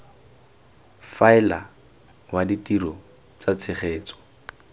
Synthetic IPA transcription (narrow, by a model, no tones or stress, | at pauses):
faɪla̰ | waditiɾɔ | t͡sat͡sʰɪχeːt͡sɔ̥